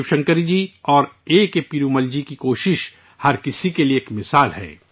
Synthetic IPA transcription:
ʃɐ̃ŋkəɾid͡ʒiɔːɾeːkepiːɾuməld͡ʒikikoːʃɪʃ | hɐɾkɪsikelieːkmɪsaːlɦɛ̰ː

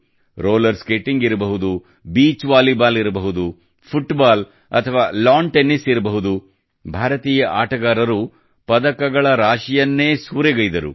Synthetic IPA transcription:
ɾoːlɐɾskeːʈːiŋɡiɾɐbɐɦud̪u | biːt͡ʃʋaːlibaːliɾɐbɐɦud̪u | pʰuʈbaːl | ɐ̰t̪ʰɐʋaːlaːɳʈenisiɾɐbɐɦud̪u | bʱaːɾɐt̪iːjɐʔaːʈɐɡaːɾɐɾu | pɐd̪ɐkɐɡɐɭɐɾaːʃijɐnːe̞ːsuːɾeɡɐjd̪ɐɾṵ

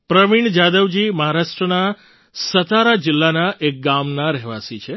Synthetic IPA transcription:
pɾəʋiɳd͡ʒad̪əʋd͡ʒiməɦaɾaʃʈɾəna | sət̪aɾad͡ʒɪlːanaʔek̚ɡamnaɾɛɦʋa̰sit͡ʃʰe

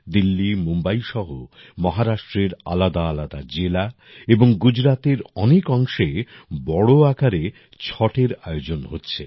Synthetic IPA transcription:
d̪ilːimumbaiʃɔɦo | mɔɦaɾaʃʈɾeɾa̰lad̪aːlad̪ad͡ʑela | eboŋɡud͡ʑɾat̪eɾɔnekɔŋʃebɔɽoakaɾe | t͡ɕʰɔʈeɾaeod͡ʑonɦotːɕʰe

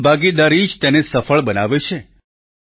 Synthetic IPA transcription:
bʱaɡid̪aɾid͡ʒt̪enesəfəɭbənaʋet͡ʃʰe

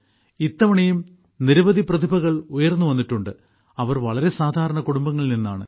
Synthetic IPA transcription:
it̪ːɐʋɐɳejum | niɾuʋɐd̪ʱiprɐd̪ʱibʱɐɣɐɭujɐrnːuʋɐnːiʈːuɳɖɨ | ɐʋɐrʋɐɭɐɾe̞saːd̪ʱaːɾɐɳɐkuɽumbɐŋːɐɭininːaːɳɨ̰

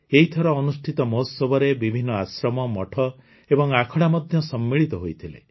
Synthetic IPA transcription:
eɦit̪ʰɔɾɔːnusʈʰit̪ɔmɔsɔbɔɾebibʱinːɔasɾɔmɔmɔʈʰɔ | ebɔŋakʰɔɽamɔd̪ʱjɔsɔmːiɭit̪ɔɦojt̪ʰilḛ

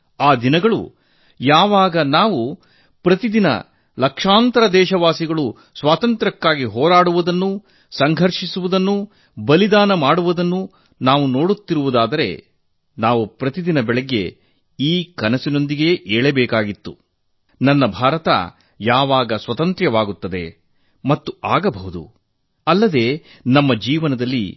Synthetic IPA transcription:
aːd̪inɐɡɐɭṵ | jaːʋaːɡɐnaːʋu | pɾɐt̪id̪inɐ̰ | lɐkʂaːnt̪ɐɾɐd̪ɛːʃɐʋaːsiɡɐɭu | sʋaːt̪ɐnt̪ɾɐkːaːɡiɦɔːɾaːɽuʋud̪ɐnːu | sɐŋɡʱɐɾʂisuʋud̪ɐnːu | bɐlid̪aːnɐmaːɽuʋud̪ɐnːu | naːʋuno̞ːɽut̪ːiɾuʋud̪aːd̪ɐɾe̞̰ | naːʋupɾɐt̪id̪inɐbɛɭɛɡːe̞ | iːkɐnɐsino̞nd̪iɡe̞ʔeːɭebɛːkaːɡit̪ːu | nɐnːɐbʱaːɾɐt̪ɐ̰ | jaːʋaːɡɐsʋɐt̪ɐnt̪ɾjɐʋaːɡut̪ːɐd̪e̞̰ | mɐt̪ːuaːɡɐbʱɐɦud̪ṵ | ɐlːɐd̪e̞ː | nɐmːɐd͡ʒiːʋɐnɐd̪ɐlːḭ

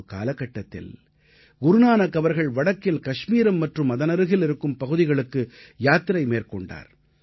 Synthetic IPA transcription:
ka̰ːlɐkːɐʈːɐt̪ːɪ̰l | ɡʊɾʊnaːnɐkɐʋɐɾɣɐɭʋɐɽɐkːɪlkɐʂmiːɾɐmːɐʈrɯmːɐðɐnɐɾɯɣɪlɪɾɯkːɯmpɐɣɯðɪɣɐɭɯkːɯjaːt̪ːɪɾɐɪmeːrkɔɳɖa̰ːɾ

